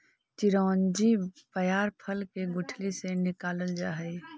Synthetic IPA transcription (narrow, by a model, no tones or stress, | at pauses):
t͡ʃɪɾɔːnd͡ʒibəjaːɾpʰəlkeɡʊʈʰlisenɪkaːləld͡ʒaːɦɛi